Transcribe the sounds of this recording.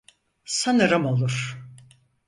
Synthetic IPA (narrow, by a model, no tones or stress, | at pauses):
sanɯɾɯmo̞lˠuɾ̥